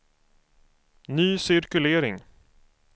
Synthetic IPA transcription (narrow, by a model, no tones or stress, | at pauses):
nyːsɪɾkɵleːɾɪŋ